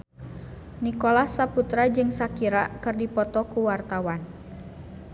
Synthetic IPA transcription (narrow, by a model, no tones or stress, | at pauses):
nikɔlasaput̪ɾad͡ʒɨŋsakiɾakɨrdipɔt̪ɔkuwart̪awan